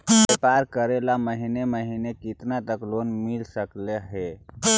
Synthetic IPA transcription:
bepaɾkəɾelaməɦineməɦinekit̪nat̪əklonmilsəkleɦe

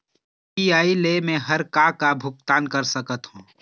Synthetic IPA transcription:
iaːileːmẽɦɐɾkaːkabʱʊk̚t̪aːnkɐɾsəkət̪hũː

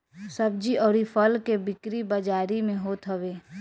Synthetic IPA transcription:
sɐb̚d͡ʒiɔːɾifʰəlkebɪkɾibəd͡ʒaːɾimẽɦoːt̪ɦɐʋeː

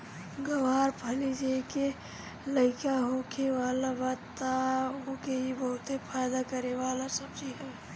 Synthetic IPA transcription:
ɡəʋaːɾpʰəlid͡ʒaeke | ləɪkaɦoːkʰeʋaːlabaːt̪ː | aɦoːkeɦibɐɦʊt̪epʰaːjd̪akəɾeʋaːlasəbd͡ʒiɦɛ

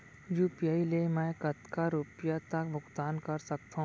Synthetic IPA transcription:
juːpijaːilemɛ̃ːkɐt̪kaɾupjat̪ɐkbʱʊɡt̪aːnkɐɾsɐk̚t̪aɦ

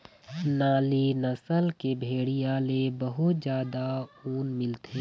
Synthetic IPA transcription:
naːlinəsəlkebʱeːɽijalebəɦʊt̪d͡ʒjaːd̪auːnmɪlt̪ʰeː

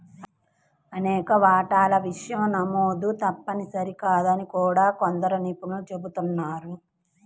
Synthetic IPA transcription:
ɐnɛːkɐʋaːʈaːlɐʋiʂɐjɐmnɐmoːd̪ut̪ɐpːɐnisɐɾikaːd̪ɐnikuːɽaːkond̪ɐɾɐnipunut͡ʃe̞but̪unːaːɾu

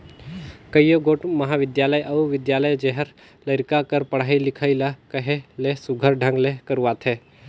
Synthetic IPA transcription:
kɐijoɡoːʈmɐɦaʋɪd̪jaːləjʔɐuʋɪd̪jaːləjd͡ʒeɦəɾ | ləɾkakəɾpɐɽ̤ailɪkʰəilakɐɦelesʊɡʱəɾɖʱə̃ŋɡlekəɾuʋaːt̪ʰɛː

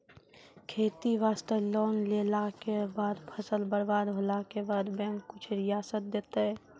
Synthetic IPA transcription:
kʰeːt̪iʋaːst̪əlɔːnleːlakebaːd̪pʰəsəlbəɾbaːd̪ɦoːlakebaːd̪bɛ̃ːŋkːʊt͡ʃʰɾɪjaːsət̪̚d̪eːt̪eɦɛː

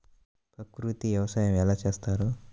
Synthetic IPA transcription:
pɾɐkɾut̪iʋjɐʋɐsaːjɐmɛlaːt͡ʃeːst̪aːɾu

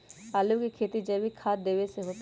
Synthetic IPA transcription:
aːlukikʰeːt̪id͡ʒəbʱikʰaːt̪̚d̪eːʋeseɦoːt̪

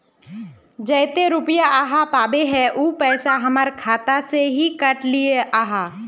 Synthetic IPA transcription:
d͡ʒɐɪt̪eɾʊpjaʔaːɦapaːbeɦɛʔuːpɛːsaɦɐməɾkʰaːt̪aseɦikəʈlieʔaːɦaː

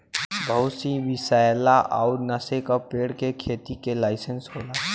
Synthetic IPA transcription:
bʱəʊsiʋɪsajlaʔa̰ʊɾnəsekapeːɽkekʰeːt̪ikelaːɪsənsɦoːlaː

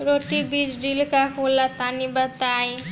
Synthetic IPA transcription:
ɾoʈibid͡ʒɖilkakolat̪anibat̪aj

